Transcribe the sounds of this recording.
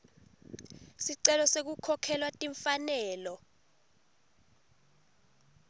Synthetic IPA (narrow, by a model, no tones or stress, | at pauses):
siǀɛlɔsek̬ukʰɔkʰɛlwatʼiɱfanɛːlɔ